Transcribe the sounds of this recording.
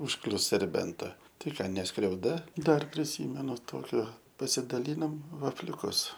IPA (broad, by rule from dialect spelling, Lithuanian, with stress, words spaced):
ʊʃˈklʲʊs sʲɛrʲˈbʲɛntɐ tɐɪ ˈkɑː nʲɛ skrʲɛʊˈdɐ ˈdɐr pʲrʲɪˈsʲiːmʲɛnʊ ˈtoːkʲoː pɐsʲɪdɐˈlʲiːnoːm ʋɐfʲlʲʊˈkʊs